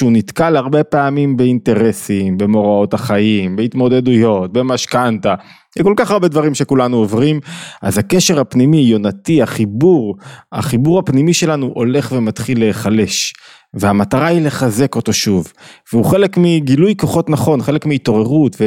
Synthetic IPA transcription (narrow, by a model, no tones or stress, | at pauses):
ʃunitkalaʁbe̞peamimbeinte̞ʁesimbe̞mo̞ʁao̞taχaimbeitmo̞d̪e̞dujo̞t̚bemaʃkanta | jko̞lkaχaʁbe̞dvaʁimʃe̞kulanuovʁimʔa̰zhakeʃe̞ʁhapnimijo̞natiaχibuʁa̰χibuʁapnimiʃe̞lanuʔo̞le̞χvemat̪χilːeːχale̞ʃ | veamataʁaile̞χaze̞ko̞to̞ʃuvveuχe̞le̞kmiɡilujko̞χo̞tnaχo̞nχe̞le̞kmiːto̞ʁe̞ʁutve